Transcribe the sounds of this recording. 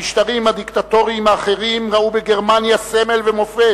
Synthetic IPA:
iʃt̪aʁimhad̪ikt̪at̪o̞ʁiːmaːχe̞ʁimʁaubeɡe̞ʁmanjaseme̞lvemo̞fe

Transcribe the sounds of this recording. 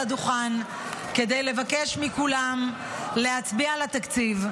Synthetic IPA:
aduχan | ke̞d̪ejle̞vake̞ʃmikulam | le̞hat͡sbialat̪akt͡siv

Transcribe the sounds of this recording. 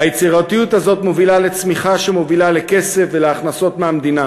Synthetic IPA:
hajet͡siʁat̪ijut̪hazo̞t̪mo̞vilale̞t͡smiχaʃemo̞vilaleke̞se̞fveleaχnaso̞t̪meamd̪ina

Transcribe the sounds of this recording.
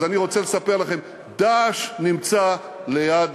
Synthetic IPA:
zaniʁo̞t͡sele̞sapeʁlaχe̞m | d̪aʃnimt͡sa | le̞jad

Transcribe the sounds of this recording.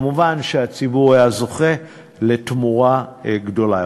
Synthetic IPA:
muvanʃeat͡sibuʁajazo̞χe̞ | le̞tmuʁaɡdo̞la

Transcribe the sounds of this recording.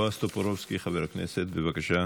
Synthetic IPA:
ast̪opoɾofskiχaveɾakneset̪bevakaʃa

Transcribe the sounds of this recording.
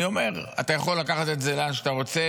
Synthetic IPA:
io̞me̞ʁa̰t̪ajaχo̞lːakaχat̪etzelanʃat̪aʁo̞t͡se

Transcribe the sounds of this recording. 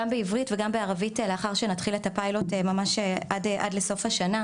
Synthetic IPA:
ambeivʁitveɡambeaʁaviteleaχaʁʃenatχiletapajlotemamaʃeʔadʔa̰dle̞so̞fhaʃana

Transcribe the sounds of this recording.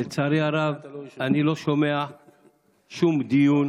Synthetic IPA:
lt͡saɾiaɾavaniloʃomea | ʃumd̪ijun

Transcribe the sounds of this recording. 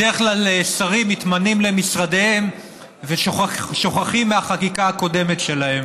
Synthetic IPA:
deʁeχklalesaʁimit̪manimle̞misʁadehe̞m | veʃʃo̞χaχimːeaχakikaako̞de̞metʃe̞lahe̞m

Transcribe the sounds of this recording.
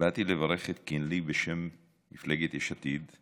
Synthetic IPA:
bat̪ilevaɾeχet̪kinlibeʃemː | iflaɡet̪eʃat̪id̪

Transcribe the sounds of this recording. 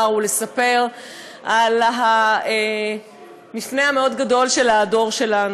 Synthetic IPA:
ʁule̞sape̞ʁ | ʔalɦae | mifne̞hameo̞dɡado̞lʃe̞lado̞ʁʃe̞lan

